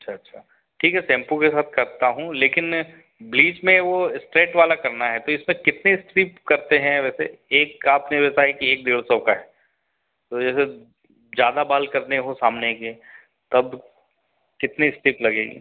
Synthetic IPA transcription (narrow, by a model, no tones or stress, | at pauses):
ɐtːʃʰaɐtːʃʰaː | ʈʰiːkɦɛsɛ̃ːmpukesaːt̪̚ʰkɐɾt̪aɦũleːkɪn | bliːt͡ʃmẽʋosʈɾeːʈʋaːlakɐɾnaɦɛt̪oɪsmẽkɪt̪nesʈɾiːpkɐɾt̪eɦɛ̃ʋɛːseeːkaːpneʋɪt̪aɦɛkieːk̚d̪eːlsəbkaɦɛː | t̪od͡ʒɛːse | d͡ʒjaːd̪abaːlkɐɾneɦosaːmneke | t̪ɐb | kɪt̪nisʈiːplɐɡḛːɡḭː